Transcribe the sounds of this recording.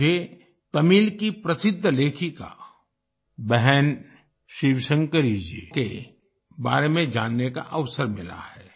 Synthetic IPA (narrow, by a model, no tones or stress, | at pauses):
e | t̪ɐmiːlkipɾɐsɪd̪ʱːleːkʰika̰ | bɛɦɛn | ʃiːʋʃə̃ŋɡkəɾid͡ʒiḛːke | baːɾemẽd͡ʒaːnːeka̰ʔɐʋsəɾmɪla̰hɛː